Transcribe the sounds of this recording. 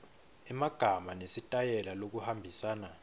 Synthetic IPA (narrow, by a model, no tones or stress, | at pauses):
ɛmaɡ̥ʱamanesitʼajɛlalok̬uhambʱisaːna